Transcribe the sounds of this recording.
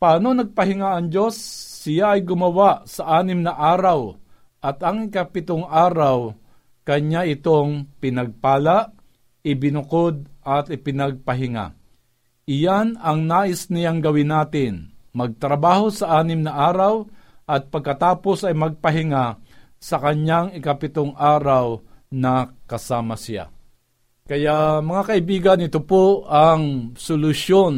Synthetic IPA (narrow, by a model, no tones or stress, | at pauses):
paːnonɐɡ̚pɐɦɪŋaʔɐŋd͡ʒo̞sːɪjaʔɐjɡʊmɐwaʔsɐʔaːnɪmnɐʔaːɾaw | ʔɐt̪ɐŋɪkapɪt̪oŋaːɾaw | kɐɲːaɪt̪oŋpɪnɐɡ̚paːlaʔ | ɪbɪnʊkod̪̚ʔɐt̪ɪpɪnɐɡ̚pɐɦɪŋa̰ | ʔɪjanɐŋnaːʔɪsnɪjaŋɡɐwɪnaːt̪ɪnmɐɡ̚t̪ɾɐbaːho̞sɐʔaːnɪmnɐʔaːɾawʔɐt̪̚pɐɡ̚kɐt̪aːpo̞sɐjmɐɡ̚pɐɦɪŋa | sɐkɐɲaŋɪkɐpɪt̪oŋʔaːɾawnɐkɐsaːmɐsɪja̰ | kɐjaʔmɐŋakɐʔɪbiːɡɐnːɪt̪opoʔɐŋsolʊʃon